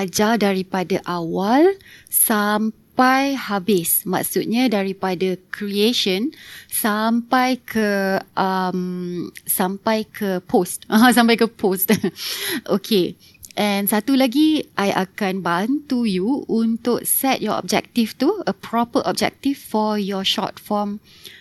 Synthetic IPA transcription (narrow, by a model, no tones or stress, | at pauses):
ad͡ʒadaɾipadaʔawalsampajhabɪsma̰ksut̪̚ɲãdaɾipadakʰɾieʃə̃nsampajkʰəʔəmsãmpajkʰəpʰostãs̬ãmpajkəpʰost | ʔokʰe | ʔɛ̃nsat̪ulaɡiʔajʔa̰kanbant̪ujuunt̪ʊk̚sɛt̚jɔɔ̰b̚d͡ʒɛ̰k̚t̪ift̪uəpʰɹɔpəʔɔ̰b̚d͡ʒɛ̰k̚t̪ifːɔjɔʃɔ̰tfɔm